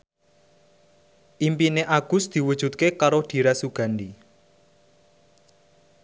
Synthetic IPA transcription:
ʔimpineʔaɡ̥ʊ̤sd̪̥i̤wud̥ʒ̥ṳt̪̚kekaɾod̪̥i̤ɾasuɡ̥a̤ndi

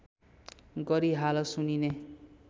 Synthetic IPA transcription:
ɡʌɾiɦalʌsunine

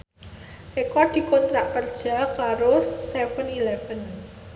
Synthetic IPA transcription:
ʔekɔd̪̥i̤kɔnt̪ɾaʔkərd̥ʒ̥a̤kaɾosɛfənilɛfən

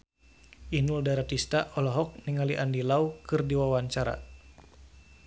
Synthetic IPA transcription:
inuldaɾat̪ist̪aʔɔlɔɦɔk̚niŋaliʔandilaukɨrdiwawaɲt͡ʃaɾa̰

